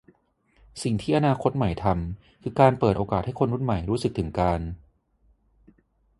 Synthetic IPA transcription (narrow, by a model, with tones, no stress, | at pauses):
si˨˩ŋt̪ʰiː˥˩ʔa˧naː˧kʰo˦˥t̪̚ma˨˩˦jt̪ʰa˧m | kʰɯː˧kaː˧npəɤː˨˩ʔoː˧kaː˨˩t̪̚ha˥˩jkʰo˧nɾu˦˥˩nma˨˩jɾuː˦˥sɯ˨˩k̚t̪ʰɯ˩˦ŋkaː˧n